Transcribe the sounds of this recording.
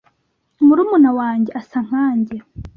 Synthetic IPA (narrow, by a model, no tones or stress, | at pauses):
muɾuːmunawaːɲɟeasaŋ̥haːɲɟe